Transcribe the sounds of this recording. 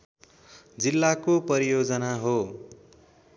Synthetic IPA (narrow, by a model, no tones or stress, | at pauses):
d͡zilːakopʌɾijod͡zʌnaɦo